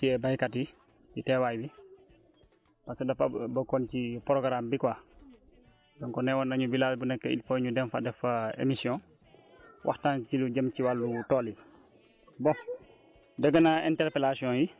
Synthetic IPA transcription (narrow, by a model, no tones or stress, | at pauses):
siɛbajkatji | jitɛwaːjbi | paskədafabɐkɔncipɔɾɔkaɾaːmbikwa | dɔŋkɔnɛwɔnaɲubilaːsbunɛkːɛḭlfɔjɲudɛmfadɛfaḛmisijɔ̃n | wʔa̰htaːnt͡ʃiluɟɐmciwalːutɔːli | bɔŋ | dəɡənaɛntɛɾpɛlasiɔ̃ji